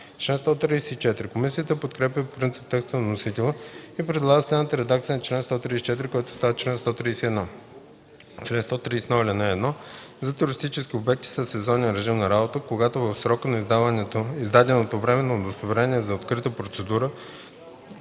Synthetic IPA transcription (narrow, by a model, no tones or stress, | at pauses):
t͡ʃlɛnst̪ɔt̪ɾijsɛit͡ʃɛt̪ɾikomisijət̪əpot̪kɾɛpʲəppɾint̪si̥p̚t̪ɛkst̪ənɐnosit̪ɛlˠəipɾɛd̪lˠaɡəsɛd̪nət̪əɾɛd̪ak̚t̪sijənɐt͡ʃlɛnst̪ɔt̪ɾisi̥t͡ʃɛt̪iɾikɔjt̪ʊ̥st̪avət͡ʃlɛnst̪ɔt̪ɾisiɛd̪nɔ | t͡ʃlɛnst̪ɔt̪ɾiːsɛnɔilʲiɛnɔɛd̪nɔ | zɐt̪ɛɾʊɾist̪it͡ʃɛsk̟iobɛk̚t̪i̥səsɛzɔniəɾɛʒimnɐɾabot̪əkoɡat̪ovəfsɾɔkənɐizd̪avənɛt̪oizd̪ad̪ɛnot̪ovɾɛmɛnɐod̪ost̪ovɾɛniɛzɐot̪kɾit̪əpɾot̪sɛd̪uɾə